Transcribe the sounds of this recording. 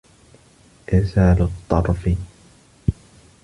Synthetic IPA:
ʔɪsaːlʊt̪ˤːɑɾˤfi

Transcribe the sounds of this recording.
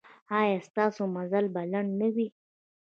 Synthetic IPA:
hɑːjɑst̪ɑsomazalbalaɳnəwi

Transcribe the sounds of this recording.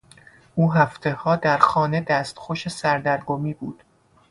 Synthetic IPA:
ʔuːɦæft̪ʰe̞hɒːd̪æɾxɒːne̞d̪æːst̪xoʃesæɾd̪æɾɡomiːbuːd̪̥

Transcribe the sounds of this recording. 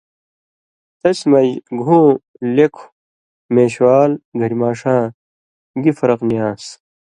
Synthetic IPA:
t̪ɐsmɐjɡʱũː | lekʰ | mẽːɕwaːlɡʱɐɾmaːʂãː | ɡifɐɾɐqnijãːs

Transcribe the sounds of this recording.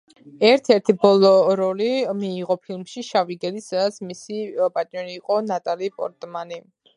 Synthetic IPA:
ɛɾt̪ʰɛɾt̪ʰibɔlˠɔɾɔlimiːʁɔpʰilˠmʃiʃaviɡɛlisad̪at̪sʰmisipʼat̪ʼnjɔɾiːqʼɔnat̪ʼalipʼɔ̰ɾt̪ʼmani

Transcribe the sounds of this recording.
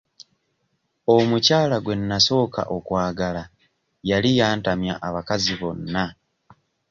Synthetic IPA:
o̞mucaːlaɡwe̞nːaso̞ːka̰ʔo̞kwaːɡala | jalijaːntamjaʔaβakaziβo̞nːa

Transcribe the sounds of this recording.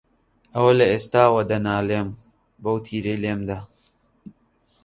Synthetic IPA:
ɐwɐlɐeːst̪aːwɐd̪ɐnaːleːm | bɐwt̪ʰiːɾejleːmd̪a

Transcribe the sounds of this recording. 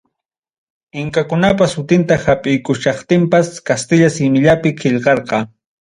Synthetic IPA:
ɪŋkakʊnap̬asʊt̪ɪnt̪ahapʼɪjkʊʃɑχt̪ɪmpaskast̪ɪʎasɪmɪʎapɪkʰɪʎqɑɾqɑ

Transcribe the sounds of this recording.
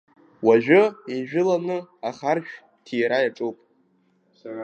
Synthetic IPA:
waʒᶣʊiʒᶣʏlanɨaχarʃᶣ | tʰijɾajaʈ͡ʂʼupʼ

